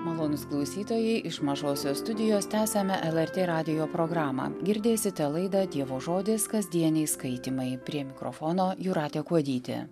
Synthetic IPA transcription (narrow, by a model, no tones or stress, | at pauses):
mɐlˠoːnʊsklˠɐʊsʲiːt̪oːjɛɪʔɪʃmɐʒoːsʲoːst̪ʊd̪ʲɪjoːst̪ʲæːsʲɛmʲɛʔɛlˠɛɾʲt̪ʲeːɾɑːd̪ʲɪjoːpɾoːɡɾɑːmɑ̰ːɡʲɪɾʲd̪ʲeːsʲɪt̪ʲɛlˠɐɪd̪ɐd̪ʲiɛʋoːʒoːd̪ʲɪskɐzʲd̪ʲiɛnʲɛɪskɐɪt̪ʲiːmɐɪpʲɾʲiɛmʲɪkɾo̰foːnoːjʊɾɑːt̪ʲeːkuɔd̪ʲiːt̪ʲḛ